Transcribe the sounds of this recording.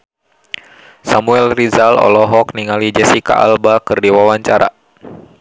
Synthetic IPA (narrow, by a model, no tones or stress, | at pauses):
samuɛlrizalɔ̰lɔɦɔkniŋalid͡ʒɛsika̰ʔa̰lbakɨrdiwawaɲt͡ʃaɾa̰